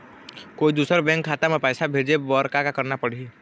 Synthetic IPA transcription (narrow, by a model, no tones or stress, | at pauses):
koːid̪uːsəɾbɛ̃ːŋkʰːaːt̪amẽpɛːsabʱeːd͡ʒebɔɾkakakəɾnapəɽ̤i